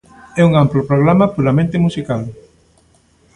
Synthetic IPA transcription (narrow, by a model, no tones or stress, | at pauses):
ɛuŋamplopɾoɣ̞ɾamɐpuɾamẽnt̪emusikal